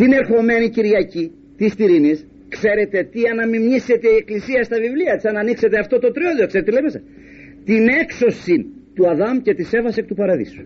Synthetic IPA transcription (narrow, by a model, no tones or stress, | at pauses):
t̪ine̞ɾxo̞me̞niciɾʝɐci | t̪ist̪iɾinis | kse̞ɾe̞t̪e̞t̪iɐnɐmimɲise̞t̪e̞ieklisiɐst̪ɐvivliɐt̪isɐnɐnikse̞t̪eɐft̪o̞t̪o̞t̪ɾioðiokse̞ɾet̪elejimesɐ | t̪ine̞kso̞sint̪uɐðɐmce̞t̪ise̞fɐsek̚t̪upɐɾɐðḭsu̥